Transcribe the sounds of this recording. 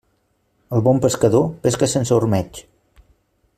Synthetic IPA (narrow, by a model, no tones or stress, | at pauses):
əlˠβɔmpəskəðopeskəsensəuɾmɛt͡ʃ